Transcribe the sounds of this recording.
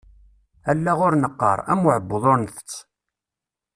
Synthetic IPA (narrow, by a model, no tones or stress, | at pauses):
ælːæʁʊɾnəqːə̰ɾˤæ̰mʊʕəbːðˤʊnθt͡sː